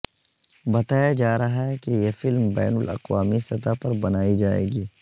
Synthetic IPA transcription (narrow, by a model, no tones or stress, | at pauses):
bɐt̪aːjad͡ʒaːɾɐɦaɦɛkejefɪlmbɛ̰ːnʊlɐ̰qwaːmisɐt̪apɐɾbɐnaːid͡ʒaːḛːɡiː